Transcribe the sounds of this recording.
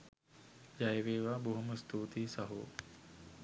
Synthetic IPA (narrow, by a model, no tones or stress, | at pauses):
d͡ʒajʋeːʋaːbuɦuməst̪uːt̪iːsɐɦṵː